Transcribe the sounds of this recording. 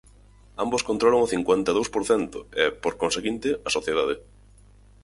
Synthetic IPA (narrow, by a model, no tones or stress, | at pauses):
amboskõnt̪ɾoloŋʊθiŋkwent̪aðowspoɾθɛnt̪ʊɛpoɾkonseɣint̪ɪɐsoθjeð̞aðɪ